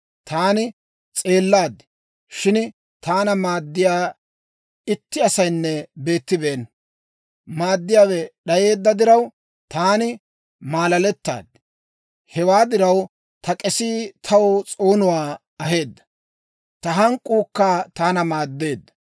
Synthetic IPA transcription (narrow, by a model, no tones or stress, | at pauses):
t̪aːnɪ | t͡sʼe̞ːlːaːd̪ | ʃɪn | t̪aːnɐmaːd̪ːɪjaː | ɪt̪ːɪɐsɐjnːɛbe̞ːt̪ːɪbe̞ːn | maːd̪ːɪjaːwɛɗɐje̞ːd̪ːɐd̪ɪɾɐw | t̪aːnɪ | maːlɐlɛt̪ːa̰ːd̪ | hɛwaːd̪ɪɾɐw | t̪ɐkʼɛsiːt̪ʰɐwt͡sʼo̞ːnʊwaː | ɐɦe̞ːd̪ːɐ̥ | t̪ɐɦɐŋkʼuːkːaːt̪aːnɐmaːd̪ːe̞ːd̪ːɐ